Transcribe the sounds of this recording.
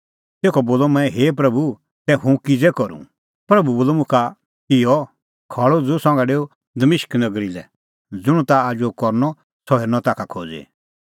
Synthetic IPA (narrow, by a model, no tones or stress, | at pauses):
t̪eːkʰɔboːlɔmɛ̃ɦeːp̬ɾɐbu | t̪ɛɦũkid͡zɛkɔɾṵ̃ | pɾɐbuboːlɔmʊ̃kʰa | ɪjɔ | kʰaːɭod͡zusɔ̃ŋɡaɖeːu | d̪ɐmɪʃknɐɡɾilɛ̰ | d͡zʊɽ̃ut̪aaːd͡ʒokɔɾnɔ | sɔɦeːɾnɔ̃t̪aːkʰakʰo̰ːd͡zḛ